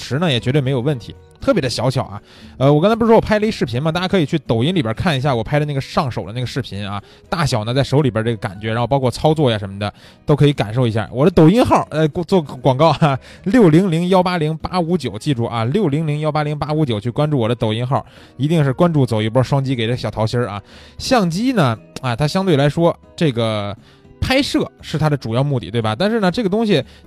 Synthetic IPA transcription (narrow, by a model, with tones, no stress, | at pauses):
ʂɻ̩˧˥nə˧˨jɛ˨˩t͡ɕɥɛ˧˥we˥˩me˧˥ɪjo˨˩ʊwə˥˩nt̪ʰi˧˥ | t̪ʰɤ˥˩pjɛ˧˥ə˧ɕjɑ˧˥ʊɕʰjɑ˨˩ʊʔa̰˦ | ə˧wɔ˨˩˧nt͡sa˥pːwɔ˨pʰa˥ə˧i˥ʂɻ̩˥˩pʰi˧˥nmə˨t̪a˥˩ja˥kʰɤ˧˥i˨˩t͡ɕʰy˥˩t̪o˨˩ʊi˥nli˨˩bjə˞˧˥kʰa˥˩ni˧˥ɕja˥˩wɔ˨˩pʰa˥ɪdə˧na˥˩ɡə˩ʂɑ˥˩ŋʂo˨˩ʊd̪ə˦na˥˩ɡə˩ʂɻ̩˥˩pʰi˧˥nɐ̰˧ | t̪a˥˩ɕjɑ˨˩ʊnə˦t͡sa˥˩ɪʂo˧˥ʊli˨˩bə˧˥ʈ͡ʂɤ˥˩ə˩ka̰˨˩nt͡ɕɥɛ˧˥ɻa˧˥nxo˥˧p̬ɑ˥ʊkʰɔ˥˩t͡sʰɑ˥ʊt͡swɔ˥˩ja˨˩ʂə˧˥nmə˧d̪ə˩ | t̪o˥ʊkʰɤ˧˥i˧˥ka˨˩nʂo˥˩ʊi˧˥ɕja̰˥˩wɔ˨˩d̪ə˦t̪o˨˩ʊi˥nxɑ˥˩ə˧˥˧t͡swɔ˥˩kwɑ˨˩ŋkɑ˥˩ʊa˧ | ljo˥˩ʊli˧˥ŋli˧˥ŋjɑ˥ʊpa˥li˧˥ŋpa˥u˧˥t͡ɕjo˨˩ʊt͡ɕi˥˧ʈ͡ʂu˥˩ʔɐ˧˩ljo˥˩ʊli˧˥ŋli˧˥ŋjɑ˥ʊpa˥li˧˥ŋpa˥u˧˥t͡ɕjo˨˩ʊt͡ɕʰy˥˩kwa˥nʈ͡ʂu˥˩wɔ˨˩d̪ə˦t̪o˨˩ʊi˥nxɑ˥˩ | i˧˥t̪i˥˧ŋʂɻ̩˥˩kwa˥nʈ͡ʂu˥˩t͡so˨˩ʊi˧˩pə˥ʂwɑ˥ŋt͡ɕi˥ke˨˩ɪʈ͡ʂɕjɑ˨˩ʊtʰɑ˧˥ɕjə˥ʔa̰˧ɕjɑ˥˩ŋt͡ɕi˥nə˨a˧t̪ʰa˥ɕjɑ˥ŋt̪we˥˩ɪla˧˥ɪʂwɔ˥ | ʈ͡ʂɤ˥˩ɡə˩ | pʰa˥ɪʂɤ˥˩ʂɻ̩˥˩t̪ʰa˥d̪ə˨ʈ͡ʂu˨˩jɑ˥˧ʊmu˥˧t̪i˥˩t̪we˥˩ɪbɐ˩t̪a˥˧nʂ̬ɻ̩˥˩nə˩ʈ͡ʂɤ˥˩ɡə˩t̪̬ʊ˥ŋɕ̬i˨